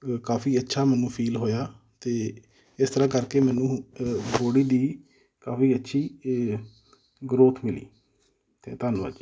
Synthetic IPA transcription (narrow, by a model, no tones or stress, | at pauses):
kaːfiːətːʃʰaːmɛːnũːpʰiːlɦoːjaː | t̪eː | ɪst̪əɾãːkəɾkeːmɛːnũːboːɽiːd̪iː | kaːfiːətːʃʰiː | ɡɾoːt̪ʰmɪlḭː | t̪ḛːt̪aːnːə̰d͡ʒ